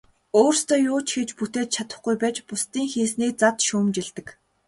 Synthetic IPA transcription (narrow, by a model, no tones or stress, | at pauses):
oːrst̪ʰɔːjʊːt͡ɕɡĕt͡ɕput̪eːt̪̚t͡ɕʰat̪ə̆χɡujpæːt͡ɕpʊst̪iːŋxiːsniːk̚t͡sat̪ʃuːmt͡ɕeɮt̪ɘ̆k